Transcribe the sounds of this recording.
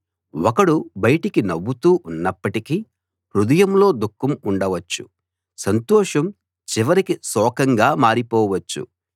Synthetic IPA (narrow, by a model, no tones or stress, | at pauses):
ɔkɐɽubɐjɐʈikinɐbːut̪uːʔunːɐpːɐʈiki | hɾud̪ɐjɐmlo̞ːd̪ukːɐmuɳɖɐʋɐt͡ʃːṵ | sɐnt̪ɔːʂɐm | t͡ʃiʋɐɾikisɔːkɐŋɡaːmaːɾipɔːʋɐt͡ʃːṵ